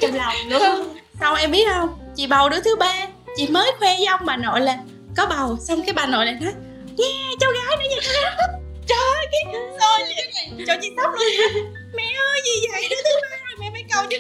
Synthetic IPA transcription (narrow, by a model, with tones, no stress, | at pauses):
la˨˩wlɨ˧˥ə˧sa˧wŋ͡mʔɛ˧mɓi˦˥ət̚ʔhə˧wŋ͡mt͡ɕḭ˧˨ɓa˨˩wɗɨ˨˧˦t̪ʰɨ˨˦ɓaː˧t͡ɕḭ˧˨məː˨˦jxwɛ˧za˧wŋ͡mmaː˨˩no̰˧˨jlaː˨˩ | kɔ˨˦ɓa˨˩wsa˧wŋ͡mkaː˨˦jɓaː˨˩nːo̰˧˨jla̰ː˧˨jnɔ˨˦j | ŋɛ˨˧˩t͡ɕɔ˧wɣaː˨˦jn˧˦zi˧˨˧a˦˥ | t͡ɕɔ˧˩˧kaː˨˦kɨ˧˨˩zɔ˧˩jli˧˨ən˨˩˨t͡ɕɔ˧˩t͡ɕḭ˧˨t̪ʰa˦˥p̚n˧˨˧ | mɛ˧˩ʔəː˧jzi˨˩zə̰˧˨jɗɨ˧˦t̪ʰɨ˨˦haː˧zə˨˩jmɛ˧˩ma˧˦kə˨˩wɗ